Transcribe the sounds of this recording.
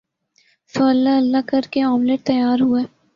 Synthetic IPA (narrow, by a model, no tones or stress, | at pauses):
soɐlːaɐlːakɐɾkeɔːmleʈ̚t̪ɐjaːɾɦueː